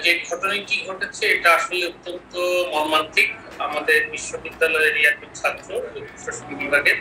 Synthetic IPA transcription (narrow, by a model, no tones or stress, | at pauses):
d͡ʑeɾɡʱɔʈonajkiɡʱoʈet͡ɕʰeeʈaaʃoleot̪ːont̪omɔɾmant̪ʰik | amad̪eɾbiʃːobid̪ːalɔeɾiapok̚t͡ɕʰat̪ːɾoebobiʃoʃobibibʱaɡe